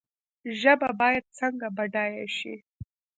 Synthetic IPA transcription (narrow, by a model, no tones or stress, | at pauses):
ʒəbabɑjad̪̚t͡səŋɡabaɖɑjaʃḭ